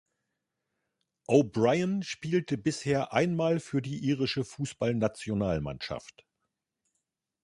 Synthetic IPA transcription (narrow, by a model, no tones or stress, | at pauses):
ʔoːbʁaɪənʃpiːltəbɪsheːɐʔaɪnmaːlfyːɐdiːʔiːʁɪʃəfuːsb̥alnat͡sjonaːlma̰nʃa̰ft